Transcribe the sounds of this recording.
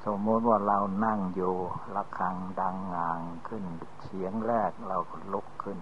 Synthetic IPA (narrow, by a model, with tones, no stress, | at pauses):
so˧˦mːuː˧˥t̪̚waː˧˩la˧wna˧˩˨ŋjuː˧˩la˧kʰːa˧ŋda˧˩ŋːaː˨˩ŋkʰɯ˧˩˨ndsʰi˨˦əŋlɛː˧˩k̚la˧wkɔ˧˩lo˧˥˦kʰːɯ˧˩˨n